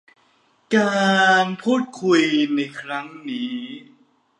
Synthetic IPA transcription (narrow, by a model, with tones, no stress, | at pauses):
kaː˧npʰuː˥˩t̪̚kʰu˧jna˧jkʰɾa˦˥ŋniː˦˥˦